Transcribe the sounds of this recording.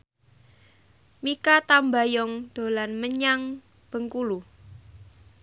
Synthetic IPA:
mikat̪amba̤jɔŋd̪̥o̤lanməɲaŋ | b̥ə̤ŋkulu

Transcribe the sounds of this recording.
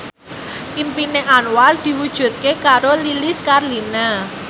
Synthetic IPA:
ʔimpineʔanwald̪̥i̤wud̥ʒ̥ṳt̪̚kekaɾolilɪskarlina

